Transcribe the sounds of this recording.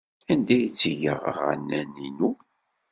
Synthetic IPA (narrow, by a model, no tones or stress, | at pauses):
ænd̪æjit͡sːəʝə̰ʁʁə̰næninu